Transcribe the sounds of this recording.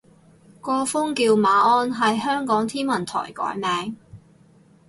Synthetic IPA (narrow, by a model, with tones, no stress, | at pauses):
kɔː˧fʊ˥ŋkiː˧wmaː˨˧ʔɔː˧nɦɐ˨jɦœː˥ŋkɔː˨˥ŋt̪ʰiː˥nmɐ˨˩nt̪ʰɔ̰ː˨˩jkɔ̰ː˨˥jmɛː˨˧ŋ